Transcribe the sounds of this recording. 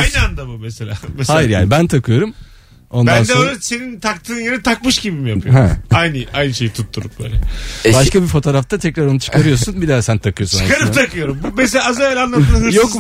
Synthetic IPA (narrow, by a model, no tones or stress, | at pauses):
ajnɯand̪abumeselʲaːmshajjiɾjaːnibænt̪ʰakʰɯjo̞ɾum | o̞ndb̪and̪ɛøjlʲɛsenint̪ʰakt̪ʰɯːnjenɛt̪ʰak̚mɯʃɟibimijaɯjoɾajnɯajnɯʃe̞jit̪ʰut̪ʰːuɾup̚bø̰ːlʲɛbaʃkabifo̞t̪ʰoːɾaft̪ʰat̪ʰɛcɾaɾo̞nut͡ʃʰɯ̥kʰaɾɯjo̞sunbid̪ɛsænt̪ʰakɯjo̞sunt͡ʃɯkaɾɯpt̪ʰakɯjo̞ɾumbumes̬elʲaːzavɛlʲanlˠat̪ɯɯhɯɾjo